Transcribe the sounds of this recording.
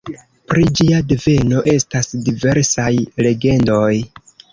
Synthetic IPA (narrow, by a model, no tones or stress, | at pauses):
pɾid͡ʒiadeve̞no̞ʔe̞stasdive̞ɾsajle̞ɡe̞ndo̞j